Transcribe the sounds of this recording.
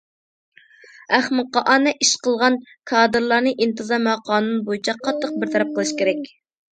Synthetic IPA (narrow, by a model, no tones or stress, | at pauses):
æχmɨqɑʔɑnɛʔiʃqəlˠʁɑnkʰɑːd̪ɨɾlˠɑɾnɨʔint̪ɨzɑmɑqʰɑːnunbojit͡ʃʰɑqʰːɑt̪ʰːəq̚bɪɾt̪ʰɑɾɛp̚qəlˠɨʃkʲeɾɛkʲ